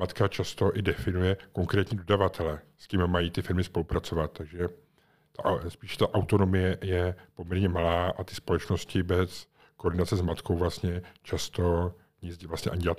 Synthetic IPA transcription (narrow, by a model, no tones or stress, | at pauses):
mat̪kat͡ʃast̪o̞ʔɪdɛfɪnujɛkoŋkɾɛːt̪ɲiːdo̞davat̪ʰɛlɛskɪmmajiːt̪ɪfɪɾmɪspo̞lupɾat͡so̞vat̪̚t̪ːaɡʒɛ | t̪aʔspiːʃɛ̥t̪aʔawt̪o̞no̞mɪjɛjɛpomɲɛɾɲɛmalaːʔat̪ɪspo̞lɛt͡ʃno̞scɪbɛs | koːɾdɪnat͡sɛzmat̪ko̞wvlast̪ɲɛt͡ʃast̪o̞ | ɲɪzvlast̪ɲɛʔaɲɪɟa